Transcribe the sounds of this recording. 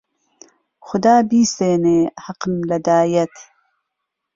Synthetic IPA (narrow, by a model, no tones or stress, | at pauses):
xʊd̪aːbiːseːneːhɐqmlɐd̪aːjɐt̪ʰ